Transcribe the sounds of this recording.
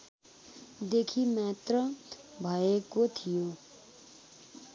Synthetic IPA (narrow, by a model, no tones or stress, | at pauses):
d̪ekʰimat̪rʌ | bʱʌekot̪ʰijo